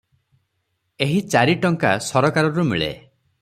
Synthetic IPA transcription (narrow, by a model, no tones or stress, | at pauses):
eɦit͡ʃaɾiʈɔŋkasɔɾɔkaɾɔɾumḭɭḛ